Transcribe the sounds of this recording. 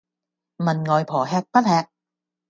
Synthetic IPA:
mɐ˨˩nŋɔː˨jpʰɔː˨˩ɦɛː˧k̚pɐ˥t̚hɛː˧k̚

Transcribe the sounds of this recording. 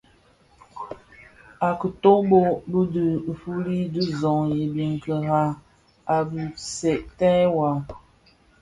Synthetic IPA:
a˨kə˨to˦bo˦bə˦də˨fu˦li˦də˦zɔ˨ŋje˨bje˨ŋ˨kə˨ɣa˦ | a˨bi˨sɛ˨ʔtɛ˦wa˨

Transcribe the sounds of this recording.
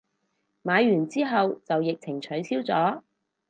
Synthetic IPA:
maː˨˧jɥyː˨˩nt͡siː˥ɦɐ˨wt͡sɐ˨wjɪ˨k̚t͡sʰɪ˨˩ŋt͡ʃʰɵ˨˥ɥt͡sʰiː˥wt͡sɔː˨˥

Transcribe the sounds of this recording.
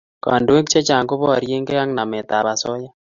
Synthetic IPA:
ka̰˨ndo˨e˦kt͡ʃe˦t͡ʃa˨ŋko˦βɔ˦˨ɾje˦ŋɡe˦a˦ŋna˨mɛ˨t̪a˨βa˨sɔ˦ja˦

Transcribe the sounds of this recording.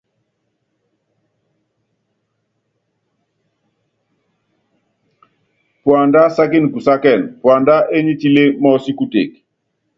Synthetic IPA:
pwa˨nda˦sa˦ki˦n˨ku˨sa˦kɛ˦˨npwa˨nda˦ʔe˦ɲi˦ti˦le˦mɔ˦si˦ku˦tḛ˨k

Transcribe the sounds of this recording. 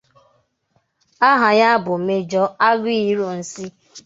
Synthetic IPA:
a˦ɦa˨ɲa˦bʊ˨me˦d͡ʒɔ˦a˦ɡʷi˦i˨˦ɾo˨n̩˨si˦

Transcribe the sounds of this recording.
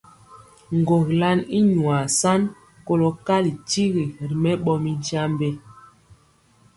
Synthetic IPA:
ŋ˨ɡo˨kla˦ni˦ɲwa˨sa˦n | ko˦lo˨ka˦li˨ti˦ɣi˨ɾi˨mɛ˦ɓɔ˦mi˦n˦t͡ʃa˦m˦be˦

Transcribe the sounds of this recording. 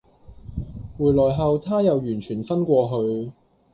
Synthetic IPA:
wuː˨˩jlɔː˨˩jɦɐ˨wt̪ʰaː˥jɐ˨wjyː˨˩nt͡ʃʰyː˨˩nfɐ˥nkʷɔː˧ɦɵ˨˧ɥ

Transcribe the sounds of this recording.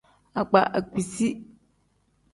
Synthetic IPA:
a˨k͡pa˨ʔa˨ki˨si˦

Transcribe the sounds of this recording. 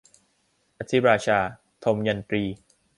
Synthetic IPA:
ʔa˧t̪ʰi˦˥ɾaː˧t͡ɕʰaː˧ | t̪ʰo˧mja˧nt̪ɾiː˧

